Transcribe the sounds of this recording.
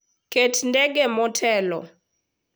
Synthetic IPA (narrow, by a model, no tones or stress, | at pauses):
ketndɛɡemɔtʰɛlɔ̰